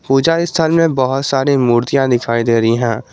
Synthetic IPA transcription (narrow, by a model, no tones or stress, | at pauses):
puːd͡ʒaɪst̪ʰəlmẽbɐɦʊt̪saːɾimuːɾt̪ijãd̪ɪkʰaːid̪eːɾɐiɦɛ̃ː